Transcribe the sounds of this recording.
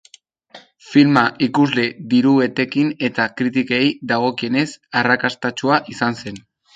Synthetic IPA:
filmaʔikuzle̞ðiɾuβet̪e̞kine̞t̪akɾit̪̬ikejd̪aɣ̞o̞kie̞ne̞sarakast̪at͡ʃuaʔisanse̞n

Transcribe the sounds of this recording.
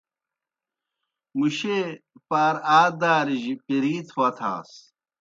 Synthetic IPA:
muɕepaːɾaːd̪aːɾiʑipiɾiːt̪ʰwɐt̪ʰa̰ːs

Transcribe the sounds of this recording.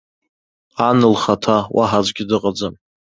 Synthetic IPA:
anɨlχatʰawa̰ħad͡ʒʷɡʲɪdɨqʼad͡zɨm

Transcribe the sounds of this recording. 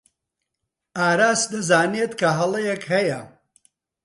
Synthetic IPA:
aːɾaːsd̪ɐzaːneːt̪kʰɐɦɐlˠɐjɛkɦɐjɐ

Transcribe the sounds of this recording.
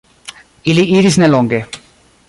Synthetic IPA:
iliiɾisnɛlɔŋɡe

